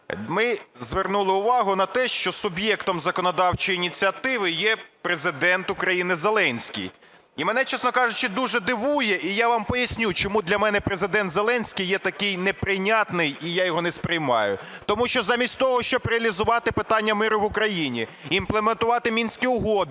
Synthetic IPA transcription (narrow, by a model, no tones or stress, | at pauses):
mɪzʋernulˠɪʊʋɑɦʊnɐt̪ɛʃt͡ʃɔsʊbʲjɛkt̪ɔmzɐkɔnɔd̪ɑwt͡ʃɔjiːnʲit͡sʲiɐt̪ɪʋɪjɛpɾezɪd̪ɛnt̪ʊkɾɐjinɪzelˠɛnʲsʲkʲḭj | imɛnɛt͡ʃɛsnɔkɑʐʊt͡ʃɪd̪uʐɛd̪ɪʋujɛʔijaʋɑmpɔjɐsʲnʲut͡ʃɔmud̪lʲɐmɛnɛpɾezɪd̪ɛnt̪zelˠɛnʲsʲkʲijːɛt̪ɐkɪjnɛpɾɪnʲat̪nɪjijajɔɦɔnɛspɾʲɪjmɑ̰jʊ̰t̪ɔmuʃt͡ʃɔzɑmʲisʲtʲt̪ɔɦɔʃt͡ʃɔbɾeɐlʲizʊʋɑt̪ɪpɪt̪ɑnʲːɐmɪɾʊʋʊkɾɐjinʲiinplˠement̪ʊʋɑt̪ɪmʲinʲsʲkʲiʊɦɔd̪